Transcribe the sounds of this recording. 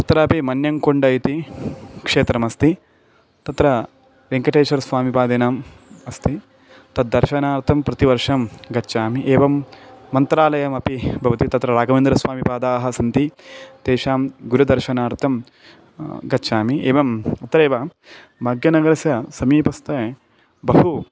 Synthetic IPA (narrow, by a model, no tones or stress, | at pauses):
t̪ɐt̪ɾɐːpimɐnjɐŋkoɳɖɐjit̪ikʂeːt̪ɾɐmɐst̪i | t̪ɐt̪ɾɐ | ɾeŋkɐʈeːt͡ʃɐɾsʋaːmipaːd̪eːnaːm | ɐst̪i | t̪ɐd̪̚ːɐɾʃɐnaːɾt̪ʰɐmpɾɐt̪iʋɐɾʂɐmɡɐːʃaːmiʔeːʋɐmːɐnt̪ɾaːlɐjɐmɐpibʱɐʋɐt̪it̪ɐt̪ɾɐɾaːɡɐmeːnd̪ɾɐsʋaːmipaːd̪aːɦɐsɐnt̪it̪eːʃaːmɡuɾɐd̪ɐɾʃɐnaːɾt̪ʰɐm | ɡɐːt͡ʃaːmieːʋɐmɐt̪ɾeːʋɐ | bʱaːɡjɐnɐɡɐɾɐsjɐsɐmiːpɐst̪ɐ | bɐɦu